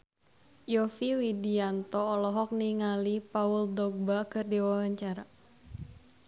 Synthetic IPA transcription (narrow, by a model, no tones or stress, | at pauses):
jɔfiwidiant̪ɔːlɔɦɔk̚niŋalipauldɔɡ̚bakɨrdiwawaɲt͡ʃaɾa